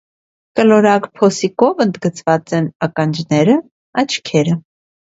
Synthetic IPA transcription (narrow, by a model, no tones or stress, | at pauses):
kəlɔɾɑkpʰɔsikɔvənd̪ɡət͡svɑt͡sɛnɑkɑnd͡ʒnɛɾə | ɑt͡ʃʰkʰɛɾə